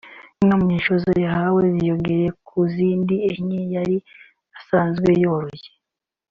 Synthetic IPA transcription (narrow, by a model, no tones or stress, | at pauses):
nomuɲiːʃozojahawezijoɡeɾekʰuziːndieɲijaɾi | asaːnzɡwejoɾoje̥